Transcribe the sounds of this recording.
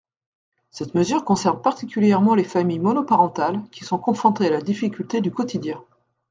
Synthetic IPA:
sɛt̪məzyʁkɔ̃sɛʁnpaʁt̪ikʲyljɛʁmɑ̃lefamijmɔnɔpaʁɑ̃t̪alkʲi̥sɔ̃kɔ̃fɑ̃t̪ealad̪ifikʲylt̪ed̪ykɔt̪ʰid̪jɛ̃

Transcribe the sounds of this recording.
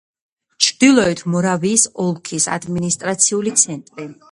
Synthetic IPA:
t͡ʃʰd̪̥ilˠɔɛt̪ʰmɔɾaviːsɔlˠkʰisa̰d̪minist̪ʼɾat̪sʰiulit̪sʰɛnt̪ʼɾi

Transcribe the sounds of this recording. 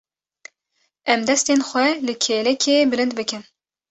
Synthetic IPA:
ɛmd̪ɛst̪eːnxʷɛlɨkʰeːlɛkʰeːbɨlɨnd̪̚bɨkʲɨm

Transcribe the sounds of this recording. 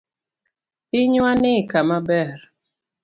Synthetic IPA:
ɪɲwanɪkamabɛɾ

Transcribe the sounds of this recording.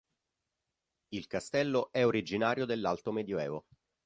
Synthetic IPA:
ilkast̪ɛlːoʔɛoɾid͡ʒinaːɾjod̪elːalt̪omed̪joɛːvo

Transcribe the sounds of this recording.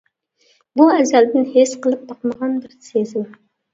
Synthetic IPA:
buɛzɛld̪ɪnhesqəlˠɨp̚bɑqməʁɑnbɪɾsezɪɑ

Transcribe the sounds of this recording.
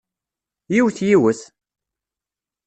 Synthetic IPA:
jiwθjiwəθ

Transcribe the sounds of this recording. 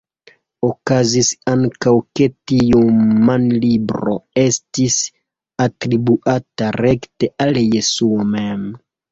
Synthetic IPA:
okazisaŋkawke̞tiumanlibɾo̞̰e̞stis | atɾibuʔataɾekte̞ʔaljesuomem

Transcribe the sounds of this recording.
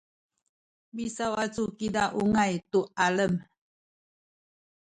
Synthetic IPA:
bisawat͡sukidaʔuŋajt̪ualəm

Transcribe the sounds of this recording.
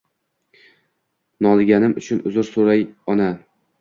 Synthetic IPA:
nɒlˠɡʲanɪmʊt͡ʃʰʊnʊzʊɾsʊɾajɒna

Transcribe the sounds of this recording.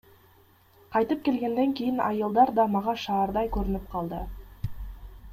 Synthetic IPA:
qʰɑjt̪əp̚kʲe̞lɡʲe̞nd̪e̞ŋkʲe̞jɪnʔɑjəlˠd̪ɑɾd̪ɑmɑʁɑʃɑːɾd̪ɑjkʲʰɵɾɪnɪp̚qʰɑlˠd̪ə̰

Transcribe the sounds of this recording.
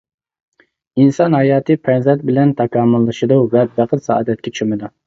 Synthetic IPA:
insɑnɦɑjɑːt̪ʰɨpʰɛnzɛt̪̚bɪlɛnt̪ʰɑkʰɑːmɨlˠːɨʃɨd̪uvɛbæqʰət̪sɑɑ̰d̪ɛt̪̚kʲʰɛt͡ʃʰʃmɨd̪u

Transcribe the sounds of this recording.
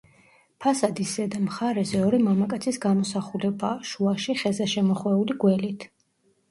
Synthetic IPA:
pʰasad̪isɛd̪amχaɾɛzɛɔɾimamakʼat̪sʰisɡamɔsaχulɛbaʃuaʃiχɛzɛʃɛmɔχwɛuliɡwɛlit̪ʰ

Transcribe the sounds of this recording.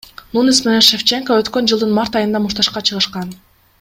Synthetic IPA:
nunismenenʃeft͡ʃeŋkoøt̪kø̞nd͡ʒɯlˠd̪ɯnmaɾt̪ɑjɯnd̪ɑmuʃt̪ɑʃqɑt͡ʃʰɯʁɯʃqɑn

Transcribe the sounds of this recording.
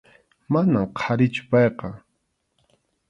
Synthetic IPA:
manamqʰaɾɪt͡ʃʊ̥pɑjqɑ

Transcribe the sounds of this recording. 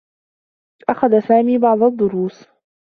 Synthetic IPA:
ʔaxaðasaːmiːbɑʕd̪ˤɑd̪ˤːʊɾuːs

